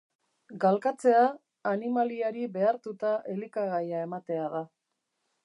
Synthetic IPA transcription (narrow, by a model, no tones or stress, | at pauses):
ɡalkat͡se̞aː | nimaliaɾiβe̞aɾt̪ut̪aʔe̞likaɣajae̞mat̪e̞aða